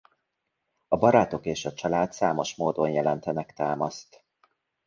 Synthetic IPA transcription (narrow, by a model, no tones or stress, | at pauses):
ɒbɒɾaːt̪o̞keːʃɒt͡ʃɒlaːt̪saːmoʃmoːd̪o̞njɛlɛnt̪ɛnɛkt̪aːmɒst̪